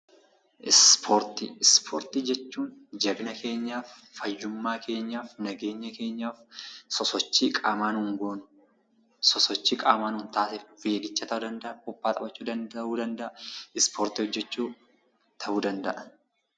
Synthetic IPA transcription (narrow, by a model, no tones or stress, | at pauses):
ʔɪspʰoːɾt̪ɪɪspʰo̰ːɾt̪id͡ʒɛt͡ʃːuːnd͡ʒɐbnɐkʰe̞ːɲːaːfːɐjːʊmːaːkʰe̞ːɲːaːfnɐɡe̞ːɲːɐke̞ːɲːaːfsɔsɔt͡ʃːiːkʼaːmaːnʊŋɡo̞ːnʊ | sɔsɔt͡ʃːiːkʼaːmaːnhʊːnt̪aːsɪweːɡɪt͡ʃːɐːt̪ɐʔud̪ɐnd̪ɐʔɐkʼʊpːaːt̪ʼɐbɐt͡ʃːuːd̪ɐnd̪ʔuːd̪ɐnd̪ɐʔɐɪspʰoːɾt̪ɪhɔd͡ʒːɛt͡ʃːuː | t̪ʰɐʔuːd̪ɐnd̪ɐʔɐ